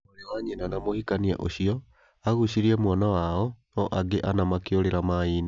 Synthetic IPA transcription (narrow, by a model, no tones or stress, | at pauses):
oɾewaɲenanamohikania̰ʔoɕiɔ | aɣuɕiɾiɛmwanawaɔ | ɔʔaɡeʔanamakeoɾeɾamaiːna